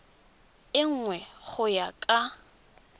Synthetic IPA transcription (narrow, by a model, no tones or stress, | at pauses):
ɪŋ̩ŋwɛχʊjakʼa